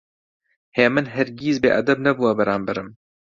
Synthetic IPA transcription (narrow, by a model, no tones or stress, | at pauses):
heːmɨnɦɛɾɡiːzbḛːʔɐ̰d̪ɛbnɛbuːɐbɐɾaːmbɛɾɨm